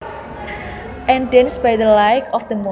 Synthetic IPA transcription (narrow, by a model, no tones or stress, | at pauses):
ʔɛ̃ndɛ̃nsbajd̪əlajkʰɔfd̪əmɔ